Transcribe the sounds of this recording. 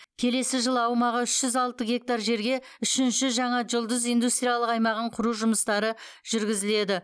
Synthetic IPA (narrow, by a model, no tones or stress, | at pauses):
kʲʰe̞le̞sɪʒəlˠɑwmɑʁəɪʃʒʏzɑlˠt̪əɡʲe̞k̚t̪aɾʒe̞ɾɡʲe̞ | ʏʃɪnʃɪʒɑɴɑʒʊlˠd̪əzijnd̪ust̪ɾʲijalˠəqɑjmɑʁəɴqʰʊɾuʒʊməst̪ɑɾəʒ̥ʏɾɡʲɪzɪle̞d̪ɪ